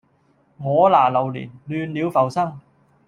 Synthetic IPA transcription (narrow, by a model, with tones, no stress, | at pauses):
ŋɔː˨˧˥laː˨˩lɐ˨˩wlḭ˨˩nlyː˨˧nliː˨˧wfɐ˨˩wsɐ˥ŋ